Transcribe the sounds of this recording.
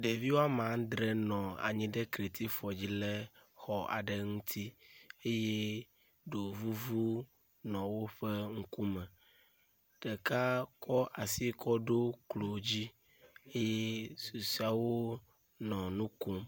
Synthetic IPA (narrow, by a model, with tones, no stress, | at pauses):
ɖe˨vi˦wo˦a˦mã˨˦ŋ˦d̪ɾɛ˦nɔ̃˨a̰˨ɲĩ˦ɖe˦kɾe˨t̪i˦fɔ˨d͡ʑi˦lɛ˦xɔ˨a̰˨ɖɛ˨ŋũ˦t̪ʰi˦e˦je˦ | ɖo˨vu˦vu˦ | nɔ̃˨wo˦ɸɛ˦ŋ̩˦ku˦mɛ̃˨ | ɖ̥ɛ˨ka˦kʰɔ˦ʔa˨si˦kʰɔ˦ɖo˦klo˨d͡ʑi˦ | e˦jɛ˦su˨si˦a˨wo˦ | nɔ̃˨nũ˦ko˦m